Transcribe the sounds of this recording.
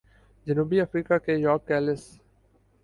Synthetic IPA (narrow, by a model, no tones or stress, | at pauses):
d͡ʒənuːbiɐfɾiːkakejɔːɾkːɛːlɪs